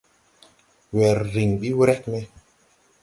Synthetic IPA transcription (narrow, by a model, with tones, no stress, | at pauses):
wɛ˨ɾːi˨ŋɓi˦wɾɛ˦k̚me˧